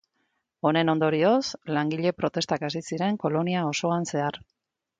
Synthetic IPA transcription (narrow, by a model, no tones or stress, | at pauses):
o̞ne̞no̞nd̪o̞ɾio̞slaŋɡiʎe̞pɾo̞t̪e̞st̪akasisiɾe̞ŋko̞lo̞niao̞so̞anse̞ar